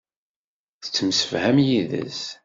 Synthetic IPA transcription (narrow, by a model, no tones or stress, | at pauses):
θət͡sːəmsə̥fhæmjiðə̰s